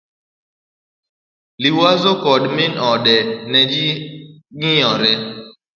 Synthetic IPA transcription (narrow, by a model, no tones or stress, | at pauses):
liwazokɔdmɪnɔɗɛnɛd͡ʒiɡijɔɾɛ